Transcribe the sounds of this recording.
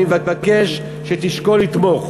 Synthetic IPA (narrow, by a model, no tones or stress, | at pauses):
vavake̞ʃ | ʃet̪iʃkolit̪mo̞χ